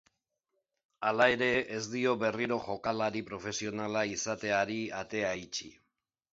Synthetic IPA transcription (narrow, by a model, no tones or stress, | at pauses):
alae̞ɾe̞ːzd̪io̞βe̞riɾo̞ʝo̞kalaɾipɾo̞fe̞sio̞nalaisat̪e̞aɾiat̪e̞ait͡ʃi